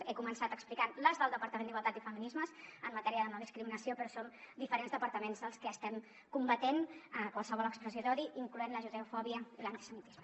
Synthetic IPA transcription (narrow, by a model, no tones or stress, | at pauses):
ekumənsat̪əksplikanləzðəlˠd̪əpəɾt̪əmend̪iɣwəlˠt̪at̪ifəminizməzəmːət̪ɛɾiəðəməlˠðiskɾiminəsiopɾɔsond̪ifəɾenzðəpəɾt̪əmenzðəlˠskəːst̪ɛm | kumbət̪enəkwalˠsəβɔləkspɾəzizɔɾiʔiŋkluenləʒuzəufɔβiəilənt̪i̥səmit̪izmə